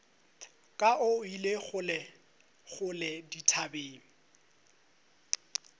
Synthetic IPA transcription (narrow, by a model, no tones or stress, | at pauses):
kʼaʊileχʊlɛ | χʊlɛditʰabeːŋ̩